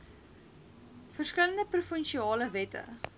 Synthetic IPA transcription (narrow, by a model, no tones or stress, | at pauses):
fərskələndəprufənʃiɑːləvɛtə̰